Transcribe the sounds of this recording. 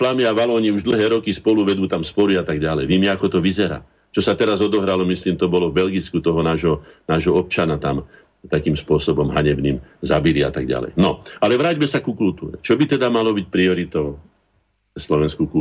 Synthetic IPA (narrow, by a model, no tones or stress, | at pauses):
flamiaʋalɔːɲiuʒd̪l̩ˠɦɛːɾɔkispɔluʋɛd̪uːt̪amspɔɾiat̪aɡɟalɛjʋɛmɛakɔt̪ɔʋizɛɾa̰ː | t͡ʃɔsat̪ɛɾazɔd̪ɔɦɾalɔmisliːmt̪ɔbɔlɔvbɛlɡit͡skut̪ɔɦɔnaːʒɦɔnaːʒɦɔɔp̚t͡ʃanat̪am | t̪akiːmspʊɔsɔbɔmɦaɲɛbniːmzabilia̰t̪aɡɟa̰lɛ̰jnɔalɛʋɾaːɟmɛsakukult̪ṵːɾɛt͡ʃɔbit̪ɛd̪amalɔbic̚pɾiɔɾit̪ɔʊ | ɛslɔʋɛnskuku